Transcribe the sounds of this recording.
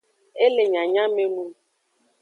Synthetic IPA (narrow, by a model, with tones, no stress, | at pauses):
e˦le˨ɲã˨ɲã˦me˦nu˦